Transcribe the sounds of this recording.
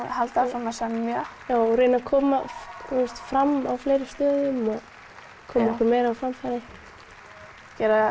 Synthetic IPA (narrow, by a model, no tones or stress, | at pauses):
halt̪asɔmasɛmmjœjaːwɔɾejnakʰɔːmaust̪fɾamawfleːjɾɪst̪œːðʏmɔɣ | kʰɔːmɛhkaɾmeːjɾawfɾamfaɾɪ | cɛːɾa